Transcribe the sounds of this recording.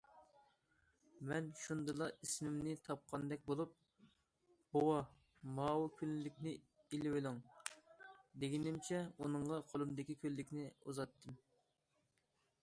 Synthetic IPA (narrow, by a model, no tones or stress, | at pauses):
mɛnʃund̪ɨlˠɑismɪmnɪt̪ʰɑp̚qʰɑnd̪ɛk̚ʲbolˠup̚ | bowɑ | mɑːwɨkʲʰynlɪkʲnɪ | ilɪwelɪŋ | d̪eɡʲinɪmt͡ʃʰɛunɨɴʁɑqʰolˠumd̪ɪkʲikʲʰølːɪkʲnɪuzɑt̪ːɨm